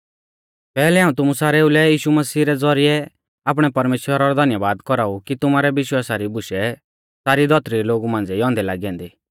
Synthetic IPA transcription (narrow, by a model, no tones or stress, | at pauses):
pɛːlɛɦaːũt̪̬ʊmusaːɾeːulɛjiːʃumɐsiːɾɛd͡zɔɾiɛ | aːp̬ɽ̃ɛpɐɾmeːʃwəɾaɾɔd̪ʱɐnjəʋaːd̪kɔɾaːukit̪ʊmaːɾɛʋɪʃwaːsaɾibʊʃɛ | saːɾid̪ʱɔt̪ɾiɾiloːɡumãːnd͡zɛiɔ̃ːnd̪ɛlaːɡiɛ̃nd̪iː